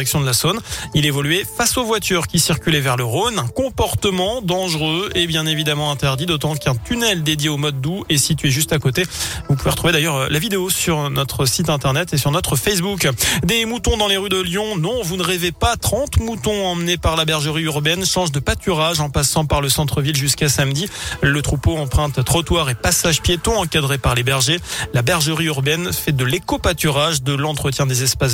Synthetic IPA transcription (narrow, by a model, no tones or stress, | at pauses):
ɛksjɔ̃d̪əlasonilevɔlɥefasovwat̪yʁkʲisiʁkʲylɛvɛʁləʁonɛ̃kɔ̃pɔʁt̪əmɑ̃d̪ɑ̃ʒʁøebjɛ̃nevid̪amɑ̃ɛ̃t̪ɛʁd̪id̪ot̪ɑ̃kɛ̃t̪ynɛld̪ed̪jeomɔd̪ːuɛsit̪ɥeʒyst̪akot̪evupuveʁət̪χuved̪ajœʁlavid̪eosyʁnɔt̪χəsit̪ɛ̃t̪ɛʁnɛt̪esyʁnɔt̪χəfɛs̬bukd̪emut̪ɔ̃d̪ɑ̃leʁyd̪əljɔ̃nɔ̃vunəʁevepat̪χɑ̃t̪mut̪ɔ̃ɑ̃mnepaʁlabɛʁʒəʁiyʁbɛnʃɑ̃ʒd̪əpat̪yʁaʒɑ̃pasɑ̃paʁləsɑ̃t̪χəvilʒyskasamd̪ilət̪χupoɑ̃pχɛ̃t̪ːχɔt̪waʁepasaʒpjet̪ɔ̃ɑ̃kad̪ʁepaʁlebɛʁʒelabɛʁʒəʁiyʁbɛnfɛd̪əlekopat̪yʁaʒd̪əlɑ̃t̪χət̪jɛ̃d̪ezɛspas